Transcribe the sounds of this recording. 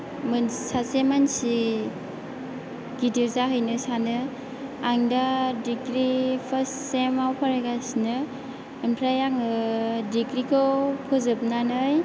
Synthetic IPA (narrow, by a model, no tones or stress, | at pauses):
mɯnsasemansi | ɡ̥idiɾzaɦɯjnɯsanɯ | aŋdadikɾipʰəssemawpʰaɾeɡasinɯ | impʰɾajaŋɯdikɾikʰɯwpʰɯzɯp̚nanɯj